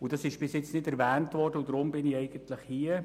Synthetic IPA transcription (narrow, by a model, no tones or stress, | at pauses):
ʊdɑsɪʃb̥ɪsjɛt͡snɪdɛɾvɛːntʋɔrd̥əudɾʊmbɪnɪɛɪɡəntləχhiːə